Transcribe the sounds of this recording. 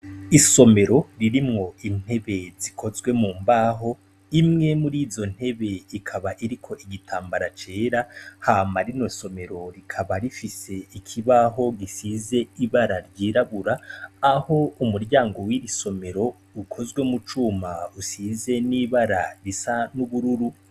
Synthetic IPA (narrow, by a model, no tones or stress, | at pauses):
iso̞me̞ɾo̞ɾiɾimŋo̞in̥he̞βe̞zikʰo̞zwe̞muːmbaɦo̞ | imŋemuɾiːzo̞n̥he̞βe̞ikʰaβaʔiɾikʰo̞ʔiɡitʰaːmbaɾat͡ʃe̞ːɾahaːmaɾino̞so̞me̞ɾo̞ɾikʰaβaɾifise̞ikʰiβaɦo̞ɡisize̞iβaɾaɾɟiːɾaβuɾaːho̞umuɾɟaːŋɡo̞wiɾiso̞me̞ɾo̞ | ukʰo̞zɡwe̞mut͡ʃumausize̞niβaɾaɾisanuβuɾuɾu